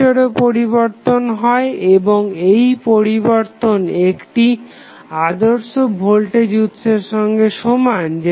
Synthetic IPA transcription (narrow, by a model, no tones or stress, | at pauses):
oɾepoɾiβoɾt̪onɦɔeeboŋejpoɾiboɾt̪onekʈi | ad̪oɾʃobʱolʈed͡ʑut̪ːʃeɾʃɔŋɡeʃomand͡ʑe